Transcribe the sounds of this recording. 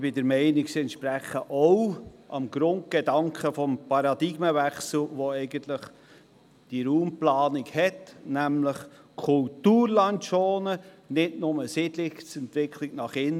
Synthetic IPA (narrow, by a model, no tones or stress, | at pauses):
b̥ɪdəɾmɛɪniksiɛntʃpɾæχəʔowʔɑmɡ̥ɾʊnt̚ɡ̥edɑŋkχəfɔmpʰɑɾɑd̪iɡməvɛχsl̩ʋoɛɪɡəntləχ | d̥iɾuːmplɑːnikhɛtnæmləχ | kʰʊltuːɾlɑntʃoːnə | nɪdnʊməsɪdlɪkt͡sɛntʋɪkʰliɡnɑχɪn